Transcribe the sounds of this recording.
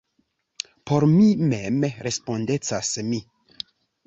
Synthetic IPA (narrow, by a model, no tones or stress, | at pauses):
poɾmimemɾespondet͡sasmi